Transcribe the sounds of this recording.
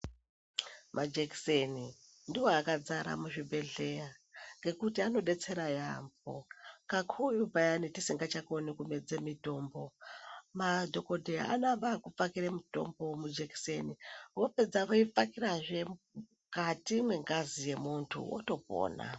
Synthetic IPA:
mʔad͡ʒekseni | ndiwoakad͡zaɾa̰muʐibʱe̞ɮe̞ja | ŋɡe̞kutiano̞ɗe̞t͡se̞ɾajambo̰kakʰujupajanitisiŋɡat͡ʃakonikume̞d͡zemito̞ːmbo̞madʱo̞ko̞dʱeja̰ʔa̰noambakup͡fakiɾemuto̞̰mbo̞mud͡ʒekseniwo̞pe̞d͡zaʋoip͡fakiraʐe̞ | katimwe̞ŋɡazije̞muntʰṵwʔo̰to̞p̚o̰ːna̰

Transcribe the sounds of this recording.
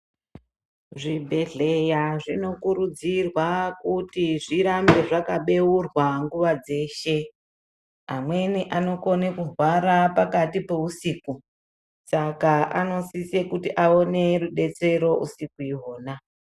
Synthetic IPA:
ʐibʱe̞ɮe̞jaʐino̞kuɾud͡zirwakutiʐiɾambe̞ʐakaɓe̞urwaŋɡuʋad͡ze̞ːʃe̞ | ɦamwe̞niʔano̞konekuɦwaɾapakatipe̞usiːku | sakaʔano̞sisekutiʔao̞ne̞ruɗe̞t͡se̞ɾo̞ʔṵsikuiɦo̞ːna

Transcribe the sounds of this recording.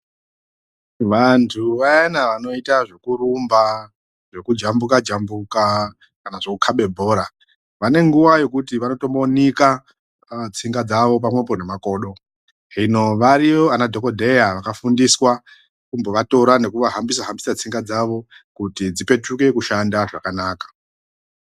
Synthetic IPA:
ʋantʰuʋajanaʋano̞itaʐe̞kuɾumba | ʐe̞kud͡ʒambukad͡ʒambuka | kanaʐe̞kukʰaɓe̞bʱo̞ːɾa | ʋane̞ŋɡuʋaje̞kutiʋano̞to̞monika | t͡siŋɡad͡zaʋo̞p̬amwe̞po̞ne̞mako̞ːɗo̞ | ɦino̞ʋaɾijo̞anadʱo̞ko̞dʱe̞jaʋakafundiswa | kumbo̞ʋato̞ɾane̞kuʋaɦambisaɦambi̥sat͡siŋɡad͡zaʋo̞kutid͡zipe̞t͡ʃuke̞kuʃandaʐakanaːkḁ

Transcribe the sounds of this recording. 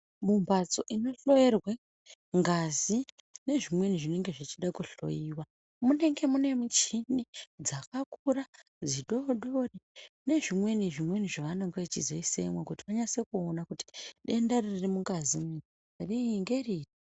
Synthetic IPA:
mumbat͡so̞ʔino̞ɬo̞jerwe | ŋɡazi | ne̞ʐimwe̞niʐine̞ŋɡe̞ʐit͡ʃiɗakuɬo̞̰iːwa | mune̞ŋɡe̞mune̞mut͡ʃinid͡zakakura | d͡ziɗo̞ɗo̞rine̞ʐimwe̞niʐimwe̞niʐaʋano̞ŋɡeʋet͡ʃizo̞isḛmwakutiʋaɲasekuonakuti̥ɗe̞ndariririmuŋɡazim | riŋɡe̞riːri

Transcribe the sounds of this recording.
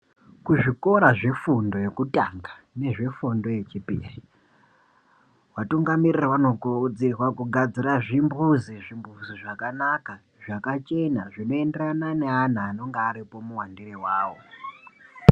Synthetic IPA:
kuʐiko̞ɾaʐe̞fundo̞je̞kutaŋɡa | ne̞ʐe̞fundo̞je̞t͡ʃipḭːri | watuŋɡamirirawano̞ɡʱod͡zerwakuɡʱad͡ziɾaʐimbuziʐimbuziʐakanaka | ʐakat͡ʃe̞naʐino̞e̞nderanane̞an̤aːno̞ŋɡeːɾipo̞muwandirewaːwo̞̰

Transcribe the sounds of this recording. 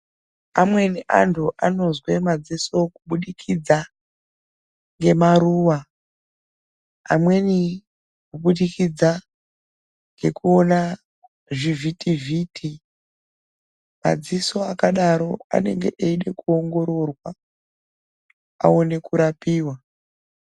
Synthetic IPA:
amwe̞niʔa̰ntʰuʔano̞zwe̞mad͡ziso̞kuɓuɗikʰid͡za | ŋɡe̞maɾuːwa | mwe̞ni | kuɓuɗikid͡za | ŋɡe̞kuo̞na | ʐivitiviːtʰi | ma̰d͡ziso̞akaɗaɾo̞a̰ne̞̰ŋɡe̞̰ʔeiɗe̞kuo̞ŋɡo̞ɾo̞rwa | a̰one̞kuɾapiːwa

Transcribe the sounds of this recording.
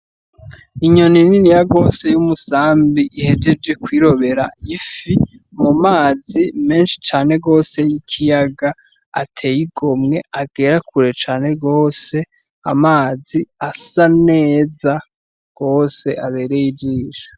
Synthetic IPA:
iɲo̞nininijaɡo̞ːse̞jumusaːmbiʔihe̞d͡ʒe̞d͡ʒe̞kwiːɾo̞βe̞ɾaifi | mumaːzime̞ːnʃi̥t͡ʃaːne̞ɡo̞ːse̞jikʰijaɡa | a̰tʰe̞jiɡomŋe̞aɡe̞ːɾakuɾe̞t͡ʃaːne̞ɡo̞ːse̞ | a̰maːziasane̞ːza | ɡ̥o̞ːse̞ʔaβe̞ːɾe̞jid͡ʒiːʒḁ

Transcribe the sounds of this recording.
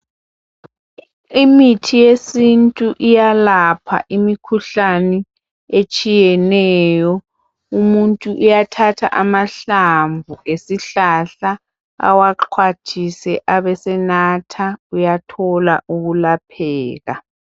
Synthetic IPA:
imitʰijesintʼuʔijalapʰa̰ʔimikʰuɬanɛ | et͡ʃʼijɛnɛːjɔ | umuntʼuʔujatʰatʰa̰ʔamaɬaɱvuʔesiɬaɬa | a̰waǃʰwatʰisɛʔaβɛsɛnatʰaujatʰɔla̰ʔuɣulapʰɛːɣa̰

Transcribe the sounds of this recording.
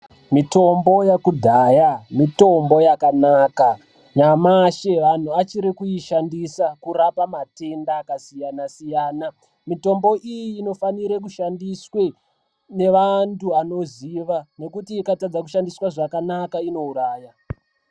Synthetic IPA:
mito̞mbo̞jakudʱaːjamito̞mbo̞jakanaka | ɲamaʃeʋan̤uat͡ʃiɾikujiʃandisakurapamate̞ndaːkasijanasijaːna | mito̞mbo̞ʔijiːno̞faniɾekuʃandiswe | ne̞ʋantuano̞ziʋane̞kutiːkatad͡zakuʃandiswaʐakanakaino̞uɾaːja

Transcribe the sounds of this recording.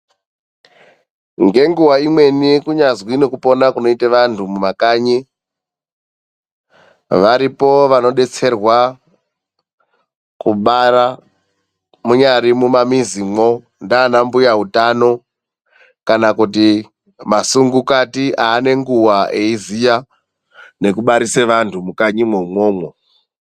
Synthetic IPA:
ŋɡe̞ŋɡuwaimwe̞nikuɲazwinokupo̞nakuno̞iteʋantʰumumakaːɲi | ʋaɾipo̞ʋano̞ɗe̞t͡se̞rwa | kuɓara | muɲaɾimumamizimo̞ | ndaːnambujaɦutano̞ | kanakuti | masuŋɡukatiʔaːne̞ŋɡuwaʔe̞izija | ne̞kuɓaɾiseʋantʰumukaɲimoumwoːmwo

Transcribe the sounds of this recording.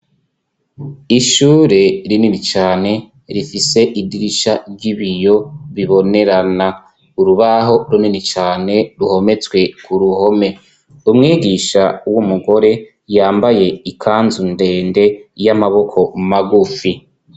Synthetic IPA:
iʃuːɾe̞ɾininit͡ʃaːne̞ | ɾifise̞ʔidiɾiʃaɾɟiβijo̞βiβo̞ne̞ɾana | uɾuβaɦo̞ɾuninit͡ʃaːne̞ɾuho̞me̞t͡swe̞kʰuɾuho̞me̞ | umŋiːɡiʃawumuɡo̞ɾe̞ | jaːmbaje̞ikʰaːnzunde̞ːnde̞jamaβo̞kʰo̞maɡufi

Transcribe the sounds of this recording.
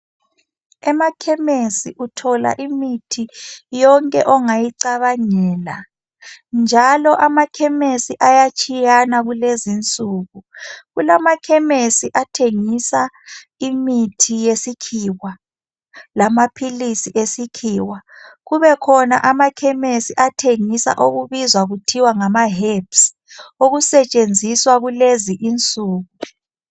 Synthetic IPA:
ɛmakʰɛmesiʔutʰɔla̰ʔimitʰijɔŋkʼɛʔɔŋajiǀaβaɲɛːla̰ | nd͡ʒʱalɔʔamakʰɛmesiʔajat͡ʃʰʼijanaɣulezint͡sʼuɣuɣulamakʰɛmesiʔatʰeŋisa | imitʰijesikʰiwa | lamapʰilisiʔesikʰiːwaɣuβɛkʰɔna̰ʔamakʰɛmesiʔatʰeŋisa̰ʔoɣuβizwaɣutʰiwaŋamaɦeps | oɣusɛt͡ʃʼend͡zʱiswaɣuleziʔint͡sʼuːɣu

